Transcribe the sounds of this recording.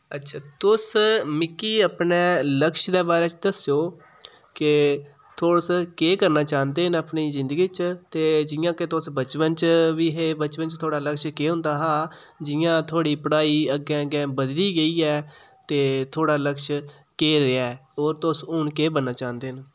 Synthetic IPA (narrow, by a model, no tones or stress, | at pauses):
ətːʃʰaːt̪ʊsmɪkːiːəpneːləkʃd̪ɛːbaːɾɛːt͡ʃd̪əsjoː | kɪ | t̪ʰoːɽskeːkəɾnaːt͡ʃãːnd̪eːɦənəpniːzɪnd̪əɡiːt͡ʃt̪eːd͡ʒɪjãːket̪ʊsbət͡ʃpənt͡ʃʋiːɦeːbət͡ʃpənt͡ʃt̪ʰoːɽaːləkʃkeːɦʊ̃nd̪aːɦãː | d͡ʒɪjãːt̪ʰoːɽiːpəɽaːiːəɡɛ̃ːɡɛ̃ːbəd̪liːɡəiːɛː | t̪eːt̪ʰoːɽaːləkʃ | keːɾeɛːoːɾt̪ʊsʊɳkeːbənːaːt͡ʃãːnd̪eːn